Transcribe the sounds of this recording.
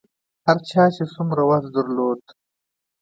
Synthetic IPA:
haɾt͡ʃɑːt͡ʃesumɾawazd̪əɾloːd̪

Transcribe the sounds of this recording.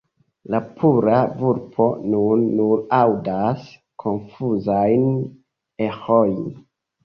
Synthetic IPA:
lapʰuɾavuɾpʰo̞nunːunawdas | kʰo̞nfuzajn | ehojn

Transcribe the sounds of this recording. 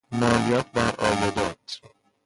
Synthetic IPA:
mɒːlijɒːt̪̚ʰbæɾʔɒ̰ːjod̪ɒːt̪ʰ

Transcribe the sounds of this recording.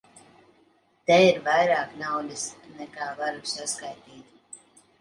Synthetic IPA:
t̪ɛiɾvajɾaːknawd̪ʲisnɛkaːvaɾsaskajt̪iːt̪

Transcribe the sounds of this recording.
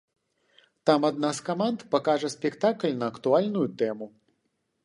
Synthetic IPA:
t̪amɐd̪̚naskɐmant̪pɐkaʐɛsʲpʲɛkt̪aklʲnɐːkt̪ualʲnujut̪ɛmu

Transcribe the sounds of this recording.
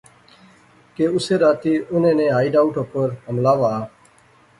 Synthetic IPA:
keːʊseːɾaːt̪iːʔʊnẽːnẽːɦaːiːɖaːʊʈoːpəɾɦəmlaːʋaː

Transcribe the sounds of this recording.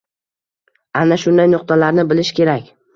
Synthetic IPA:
anaʃʊnd̪ajnʊqt̪ʰalaɾnɪbɪlɪʃkʲʰe̞ɾakʲ

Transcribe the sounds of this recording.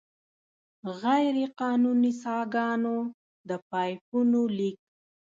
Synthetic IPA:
ɣajɾeqɑnunisɑɡɑno | d̪əpɑjpunolik̚

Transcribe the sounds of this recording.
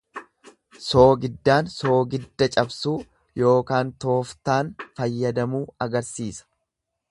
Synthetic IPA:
so̞ːɡɪd̪ːaːnso̞ːɡɪd̪ːɐt͡ʃʼɐbsuː | jo̞ːkaːnt̪o̞ːft̪aːnfɐjːɐd̪ɐmuːɐɡɐɾsiːsɐ̥

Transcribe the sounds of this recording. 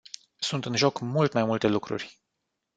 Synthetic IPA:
sunt̪ɨnʒo̞kmult̪majmult̪e̞lukɾṵrʲ

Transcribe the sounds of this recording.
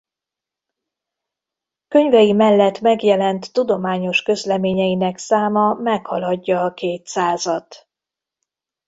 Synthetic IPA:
kø̞ɲvɛjimɛlːɛt̪mɛɡjɛlɛnt̪ːud̪o̞maːɲo̞ʃkø̞zlɛmeːɲɛjinɛksaːmɒmɛkhɒlɒɟːɒːkeːt̪saːzɒt̪

